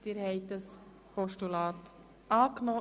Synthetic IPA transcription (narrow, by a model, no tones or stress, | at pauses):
tɪɾhɛɪt̚dɑs | pɔʃtulɑːt | ʔɑːknɔ